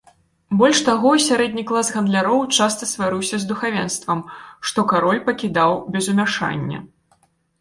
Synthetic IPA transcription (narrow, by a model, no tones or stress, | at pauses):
bɔlʲʂt̪aɣɔsʲaɾɛd̪ʲnʲiklˠasɣɐnd̪lʲaɾɔwt͡ʂast̪ɐsvaɾɨwsʲɐzd̪uxavʲɛnst̪vɐmʂt̪ɔkaɾɔlʲpɐkʲid̪awbʲɛzumʲaʂa̰nʲːɐ̰